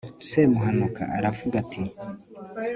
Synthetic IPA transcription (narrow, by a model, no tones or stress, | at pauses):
semuɦanukʰa̰aɾavuɡatʰi